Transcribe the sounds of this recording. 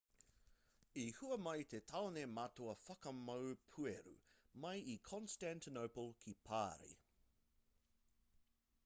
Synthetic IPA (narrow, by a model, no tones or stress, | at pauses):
ihuɐmɐjt̪ʰet̪ʰɐonemɐt̪oɐfɐkɐmɐwpʰʉeɾṵmɐjikʰɔ̃nstæntinowpəlˠkʰipʰaːɾḭ